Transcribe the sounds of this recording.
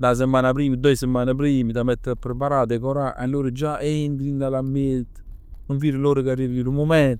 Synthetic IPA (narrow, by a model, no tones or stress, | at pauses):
d̪as̬emːanapɾiːmid̪ɔjsemanapɾimit̪amɛt̪ːepɾepaɾad̪ɛkɔɾaʔa̰loɾed͡ʒaʔɛind̪ɾinalamelt̪ | uɱfiɾeloɾekaɾivilumomɛnt̪